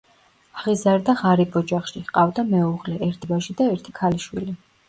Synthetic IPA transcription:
aʁizaɾd̪aʁaɾibʰɔd͡ʒaχʃihqʼavd̪amɛuʁlɛɛɾt̪ʰibaʃid̪aɛɾt̪ʰikʰaliʃwḭli

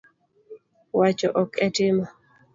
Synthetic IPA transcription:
wat͡ʃɔʔɔkʰɛtɪma

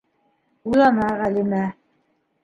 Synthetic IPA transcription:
ulˠɑnɑʁælimæ

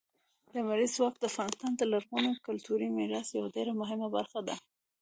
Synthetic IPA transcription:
d̪̥əmaɾizwɑk̚d̪əafɣɑnɪst̪ɑnd̪əlaɾɣunokʊlt̪uɾimɪɾɑsjawaɖeɾamʊɦɪmaba̰ɾxad̪a̰

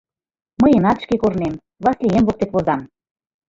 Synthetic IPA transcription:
məjenɑt̪ʃkekornem | βɑslijemβok̚t̪ekβozɑm

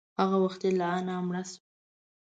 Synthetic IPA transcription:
haɣawaxt̪elaanamɽas

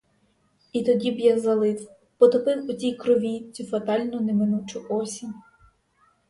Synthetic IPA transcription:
it̪ɔdʲibjazɐlˠɪs | pɔt̪ɔpɪwʊt͡sʲijkɾɔʋʲit͡sʲufɐt̪ɑlʲnʊnemɪnut͡ʃʊʔɔsʲi

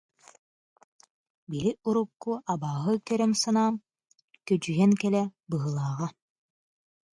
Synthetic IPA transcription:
biliʔuɾukːuʔabaːɦɯkœɾœmsanaːm | kœd͡ʒyjɛŋkɛlɛbɯɦɯlˠaːʁa

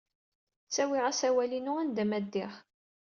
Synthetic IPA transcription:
t͡sːæwɪʁasæwælinuænd̪æmæd̪ːɪχ

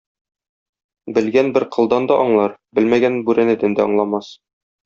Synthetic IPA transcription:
bɘ̆lɡænbɘɾqɤ̆lˠd̪ɑnd̪ɒʔɒɴlˠɑɾbɘ̆lmæɡænbʉɾænæ̆d̪ɘnd̪æɒ̰ɴlˠɑmɑs

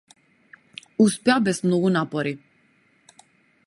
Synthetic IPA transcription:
uspɛabɛsmnɔɡunapɔɾi

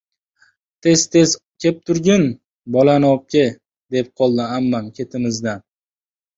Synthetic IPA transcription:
t̪ʰe̞zt̪ʰez | kʲʰe̞p̚t̪ʰʊɾɡʲɪn | bɒlanɒp̚kʲɪ | d̪e̞p̚qʰɒlˠd̪ɪamːankʲʰe̞t̪ʰɪmɪzd̪an

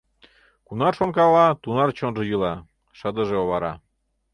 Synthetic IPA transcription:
kunɑrʃonkɑlɑt̪unɑrt͡ɕonʒɤ̆jɯlɑ | ʃɤd̪ə̆ʒeoβɑɾɑ̰

